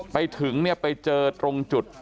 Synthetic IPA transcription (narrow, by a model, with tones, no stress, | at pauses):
pa˧jt̪ʰɯ˩˦ŋni˥˩ɐpa˧jt͡ɕɤː˧t̪ɾo˧ŋt͡ɕu˨˩t̪̚